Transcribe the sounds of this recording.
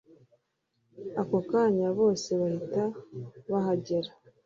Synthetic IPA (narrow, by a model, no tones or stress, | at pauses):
akokaɲaβo̞ːse̞βahitaβaɦaɟe̞ɾa